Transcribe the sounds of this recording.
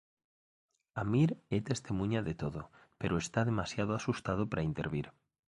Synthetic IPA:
amiɾet̪e̞st̪imũɲaðet̪oðope̞ɾoe̞st̪aðe̞masjaðoasust̪að̞opaɾaint̪e̞ɾβ̞iɾ

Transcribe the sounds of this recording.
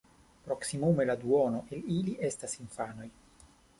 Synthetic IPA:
pɾo̞ksimume̞lad̪uono̞ʔeliliʔe̞stasinfano̞j

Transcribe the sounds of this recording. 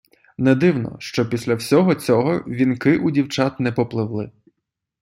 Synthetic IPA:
nɛd̪ɪwnɔ̰ʃt͡ʃɔpʲisʲlʲɐwsʲɔɦɔt͡sʲɔɦɔʋʲinkɪʔudʲiwt͡ʃɑt̪nɛpɔplˠɪwlˠɪ

